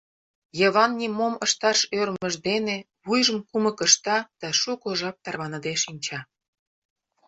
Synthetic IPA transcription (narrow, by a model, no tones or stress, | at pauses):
jəβɑnːʲimoməʃt̪ɑʃørmə̆ʒd̪ene | βujʒə̆mkuməkə̆ʃt̪ɑd̪̥ɑʃukoʒɑp̚t̪ɑrβɑnɤ̆d̪eʃinʲt͡ɕɑ